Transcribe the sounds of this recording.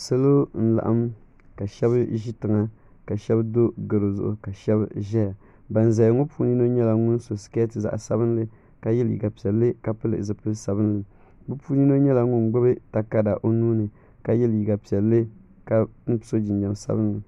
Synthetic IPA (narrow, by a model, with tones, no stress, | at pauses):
sa˦lo˦n̩˦la̰˨ʔa˦m | ka˨ʃɛ˦βɨ˦ʒi˦tɨ˨ŋa˦ | ka˨ʃɛ˦bdo˦ɡɨ˨ɾo˨zʊ̰˨ʔʊ̰˨ka˨ʃɛ˦b̰ʒɛ˦ja˨ | ba˨n˨za˨jŋo˦puː˦ni˦no˦ɲɛ˦la˨ŋu˦nso˨ske˦tɨ˨za̰˨ʔsa˦bɨ˦n˦lɨ˦ | ka˨jɛ˦ljḭ˨ɡa˨pi˨ɛ˨lːɨ˦ka˨pɨ˦lɨ˨zɨ˨pɨ˦lsa˨bɨ˦n˦lɨ˨ | bɨ˦puː˦ni˦no˦ɲɛ˦la˨ŋũ˦nɡ͡bʊ˦bɨ˦ta˨ka˦da˨ʔo˦nuː˦nɨ˨ | ka˨jɛ˦lji˨ɡa˨pi˨ɛ˨lːɨ˦ | ka˦n̩˦tso˦d͡ʒɪ˨d͡ʒa˨m˨sa̰˦bɨ˦n˦lɨ˨